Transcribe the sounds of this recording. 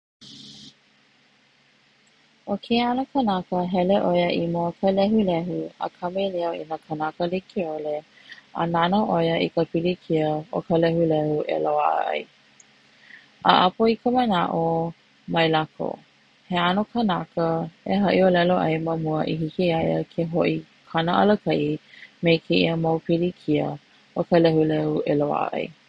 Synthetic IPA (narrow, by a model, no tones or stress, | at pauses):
okʰeanokʰənakəɦɛleʔojəʔimokʰəlɛɦulɛɦuə̰kʰɐmeleoinəkʰənakəlikʰiole | a̰nanoʔojəikəpilikʰiəokʰəlɛhulɛhuʔḛloa̰ʔə̰ɐ̰j | ʔa̰ʔapoikəmənaʔo | mɐjlakʰo̰ | heanokʰənakəeɦɐʔiolɛloʔɐjməmuəʔiɦikiajəkʰeɦoʔi | kʰanəʔɐ̰ləkʰɐʔimejkʰeʔiəmowpilikʰiə | okəlɛhulɛueloa̰ʔə̰ʔɐ̰j